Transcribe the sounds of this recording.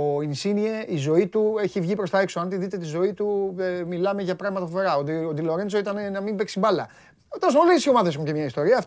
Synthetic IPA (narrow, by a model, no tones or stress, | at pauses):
oinsinieʔizo̞it̪ueçivʝipɾost̪ɐekso̞ɐnt̪iðit̪e̞t̪izo̞it̪uemilɐme̞ʝɐpɾɐɣmɐt̪ɐfove̞ɾɐood̪ilo̞ɾensoit̪ɐnenɐmimbe̞kst̪imbɐlɐ | t̪os̬molesio̞mɐðesexuncemɲɐist̪o̞ɾiɐf